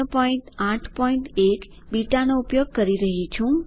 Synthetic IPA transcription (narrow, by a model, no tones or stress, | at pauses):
pɔĩʈãʈʰpɔiɳʈek | biʈanoupjoɡ̚kəɾiɾəɦit͡ʃʰũ